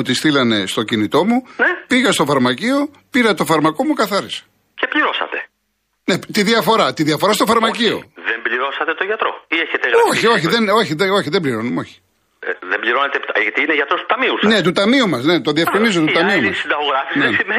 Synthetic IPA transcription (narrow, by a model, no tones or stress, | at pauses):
t̪ist̪ilɐne̞st̪o̞cinit̪o̞munepiɣɐst̪o̞fɐɾmɐcio̞ | piɾɐt̪ofɐɾmɐko̞mukɐθɐɾise̥ | ce̞pliɾo̞sɐ̰t̪e̞ | net̪iðiɐfo̞ɾɐt̪iðiɐfo̞ɾɐst̪o̞fɐɾmɐcio̞̰ðembliɾo̞sɐt̪e̞t̪oʝɐt̪ɾo̞̰ieçet̪eɣɾoçioçiðeno̞çiðeo̞çiðebliɾo̞numeo̞çi̥ | ðembliɾo̞net̪eit̪aʝɐt̪iineʝɐt̪ɾost̪u̥t̪ɐmiusne̞t̪ut̪ɐmiumɐsne̞t̪oðiɐfkɾinizot̪ut̪ɐmiumɐsid̪ɐɣoɣɾɐfisnesime